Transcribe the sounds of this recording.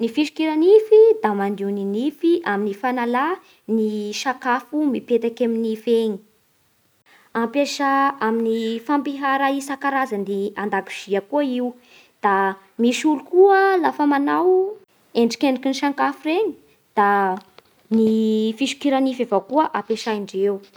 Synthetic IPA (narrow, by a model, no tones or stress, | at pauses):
nifiʃi̥kiɾanifid̪amand̪ininifiʔaminifanala | niʃaŋkafumipet̪akaminifeɲi̥ | ampeʃaaminifampiɦaɾaisakaɾazaniand̪aki̥z̥iakuəiu | d̪̥a | miʃulukuəlafəmanaw | eɳɖ͡ʐi̥kʲeɳɖ͡ʐikiniʃaŋkafureɲi̥ | d̪̥a | nifiʃi̥kiɾanifavakuəʔapeʃaiɳɖ͡ʐew